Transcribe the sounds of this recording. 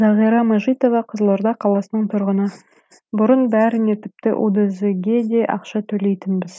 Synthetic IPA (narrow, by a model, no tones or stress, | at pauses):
zɑʁijɾɑmɑʒijt̪o̞vɑqʰəzəlˠoɾd̪ɑqʰɑlˠɑsənəɴt̪ʰʊɾʁənɑ | bʊɾənbæɾɪne̞t̪ʰɪ̥p̚t̪ɪ̰ʔo̰d̪ɑzɡʲe̞d̪e̞ʔɑ̰qʃɑt̪ʰɵle̞jt̪ɪnbɪz̥